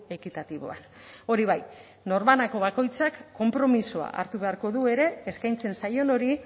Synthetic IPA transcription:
e̞kit̪at̪iβo̞̰a̰n | o̞ɾiβ̞aj | no̞ɾmanako̞βako̞jt͡sakːo̞mpɾo̞misoa̰ʔa̰ɾt̪uβe̞aɾko̞ðue̞ɾe̞ːskajnt͡se̞nsajo̞no̞ɾi

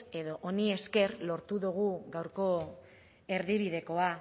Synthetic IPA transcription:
e̞ðo̞ʔonie̞ske̞ɾlo̞ɾt̪uðuɣ̞uɡawɾko̞ | e̞ɾðiβ̞iðe̞ko̞a

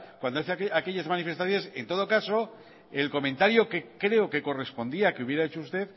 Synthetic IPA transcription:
kwand̪oθake̞ʎazmanife̞st̪aθjonese̞nt̪o̞ðo̞kaso̞ | e̞lko̞mẽ̞nt̪aɾjoke̞kɾe̞o̞ke̞ko̞re̞spo̞nd̪iakeuβje̞ɾaet͡ʃoust̪e̞θ

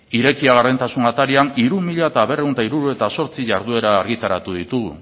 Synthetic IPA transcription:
iɾe̞kiaɣarðent̪asunat̪aɾianiɾumːiʎaet̪aβe̞re̞unt̪aiɾuɾue̞t̪aso̞ɾt͡siʝaɾðue̞ɾaːɾɣit̪aɾat̪uðit̪uɣ

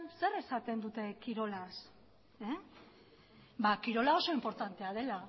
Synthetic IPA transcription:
nse̞re̞sat̪e̞nd̪ut̪e̞kiɾo̞las | e | bakiɾo̞lao̞so̞impo̞ɾt̪ant̪e̞að̞e̞la

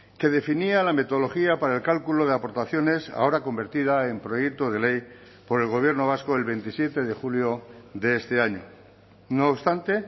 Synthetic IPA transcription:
ke̞ð̞e̞finialame̞t̪ooloxiapaɾae̞lkalkulo̞ð̞eapo̞ɾt̪aθjo̞ne̞sa̰o̞ɾako̞mbe̞ɾt̪ið̞ae̞mpɾo̞je̞k̚t̪oð̞e̞le̞j | po̞ɾe̞lɣo̞βje̞ɾno̞β̞asko̞e̞lβe̞nt̪isje̞t̪e̞ðe̞xuljo̞ðe̞est̪e̞aɲo̞ | noːpst̪ant̪e̞

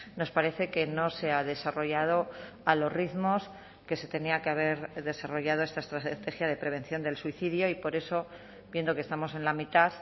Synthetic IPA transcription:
no̞spaɾe̞θe̞ke̞no̞se̞aðe̞saro̞ʝað̞o̞ | alo̞riðmo̞s | ke̞se̞t̪e̞niakeaβ̞e̞ɾðe̞saro̞ʝað̞oest̪ae̞st̪ɾat̪e̞xjað̞e̞pɾe̞β̞e̞n̟θjo̞nd̪e̞lsuiθiðjo̞ipo̞ɾe̞so̞ | bjend̪o̞kest̪amo̞se̞nlamit̪aθ

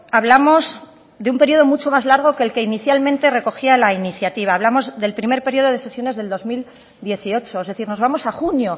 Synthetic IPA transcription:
aβlamo̞z | ðeumpe̞ɾio̞ð̞o̞mut͡ʃo̞mazlaɾɣ̞o̞keːlke̞iniθjalmẽ̞nt̪e̞re̞ko̞xialainiθjat̪iβ̞aːβlamo̞zðe̞lpɾime̞ɾpe̞ɾio̞ðo̞ð̞e̞se̞sjo̞ne̞zðe̞ld̪o̞zmil | d̪je̞θio̞t͡ʃo̞ezðe̞θiɾno̞zβamo̞saxunjo̞

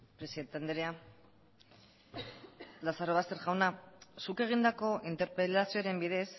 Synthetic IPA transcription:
pɾe̞siðent̪eand̪eɾea | lasaɾo̞β̞ast̪e̞ɾʝawnasuke̞ɣ̞ind̪ako̞ʔint̪e̞ɾpelasioɾe̞mbiðe̞s

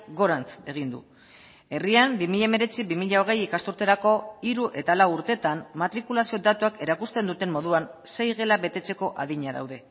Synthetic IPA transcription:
ɡo̞ɾant͡se̞ɣ̞ind̪ṵ | e̞riambimiʎaeme̞ɾe̞t͡siβimiʎaoɣ̞e̞jikast̪uɾt̪e̞ɾako̞iɾuʔe̞t̪alawuɾt̪e̞t̪ammat̪ɾikulasio̞d̪at̪uake̞ɾakust̪e̞nd̪ut̪e̞mmo̞ðuanse̞jɣe̞laβe̞t̪e̞t͡se̞ko̞ʔa̰ðiɲaða̰wðe̞

